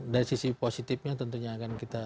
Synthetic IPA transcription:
daɾisisiposit̪ɪfɲat̪ənt̪uɲaːkankit̪a

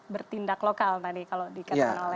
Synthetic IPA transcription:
bərt̪indaklokalt̪adikalodikəanolɛ

